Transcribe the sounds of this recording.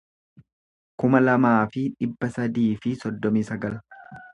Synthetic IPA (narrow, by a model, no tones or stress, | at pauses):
kʊmɐlɐmaːfɪᶑɪbːɐsɐd̪iːfɪsɔd̪ːɔmiːsɐɡɐl